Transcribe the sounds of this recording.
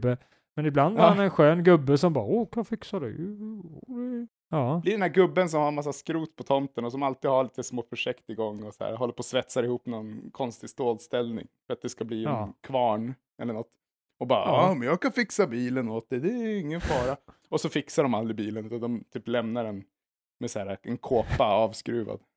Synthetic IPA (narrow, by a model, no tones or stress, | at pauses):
bːə | mɛnɪbland̪haɾhanɛnɧøːnɡɵbːəsɔmbɑːɾoːkʰɑfɪksad̪ʉ̰j̰ | d̪ɛ | ɑːblɪɖɛnæɾɡɵbːəns̬ɔmhaɾmas̬ːaskɾuːt̪pʰɔt̪ʰɔmt̪ənɔsɔmalt̪iːd̪haɭiːt̪əsmoːfœʂɛkt̪ɪɡɔŋːɔsɔæ̰ːɾɦɔlːəɾpʰɔːsvɛt̪saɾɪhuːpnɔnkʰɔnst̪ɪst̪oːlst̪ɛlnɪ̰ŋfœɾat̪̚d̪ɛskabliːɛnkʰvɑːɳ | ɛ̰lːəɳɔt̪ː | ɔbɑːɑmɛnjɑːkʰanfɪksabiːlənoːt̪̚d̪ɛd̪ɛɪŋːənfɑːɾa | ɔsɔfɪksaɖɔmald̪ɾɪbiːlənʉ̟ːt̪and̪ɔmt̪ʰyːplɛmnaɖɛn | mɛsæːɾaɛnkʰoːpːaɑːvskɾʉ̟ːva̰d̪